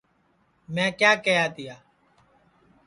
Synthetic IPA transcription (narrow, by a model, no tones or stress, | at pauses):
mɛ̃ːkjaːkəjaːt̪ɪjaː